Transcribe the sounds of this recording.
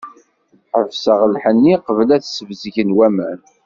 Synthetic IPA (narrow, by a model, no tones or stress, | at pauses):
ħəvsəʁəlħənːiqəvlæθsəvzʝənwæmæn